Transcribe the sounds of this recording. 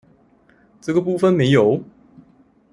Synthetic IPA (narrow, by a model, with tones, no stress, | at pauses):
ʈ͡ʂɤ˥˩ɡə˨˩pu˥˧˩fə˨nme˨˧˥ɪjo˨˦ʊ